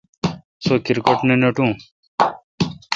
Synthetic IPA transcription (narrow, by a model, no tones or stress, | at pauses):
sokiɾkoʈnenɐʈũː